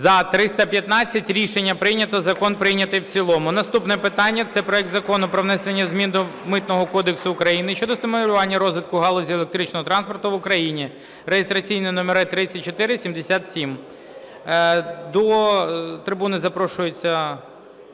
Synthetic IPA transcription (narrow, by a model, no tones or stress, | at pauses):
zɐt̪ɾɪst̪ɐpʲjɐt̪nɑt͡sʲːɐtʲɾʲiʃenʲːɐpɾɪjnʲɐt̪ɔzɐkɔnpɾɪjnʲɐt̪ɪjwt͡sʲilˠɔmʊnɐst̪upnɛpɪt̪ɑnʲːɐt̪sɛpɾɔɛkt̪zɐkɔnʊpɾɔʋnɛsenʲːɐzʲmʲind̪ʊmɪt̪nɔɦɔkɔd̪eksʊːkɾɐjinɪʃt͡ʃɔd̪ɔst̪ɪmɔɾʲʊʋɑnʲːɐɾɔzʋɪt̪̚kʊɦɑlˠɔzʲielˠek̚t̪ɾɪt͡ʃnɔɦɔt̪ɾɑnspɔrt̪ʊʋʊkɾɐjinʲi | rejest̪ɾɐt͡sʲijnɛnɔmeɾɛt̪ɾɪt͡sʲːɐt̚ʲt͡ʃɔt̪ɪɾɪsʲimd̪esʲat̪sʲim | d̪ɔ | t̪ɾɪbunɪzɐpɾɔʃʊjet͡sʲːɐ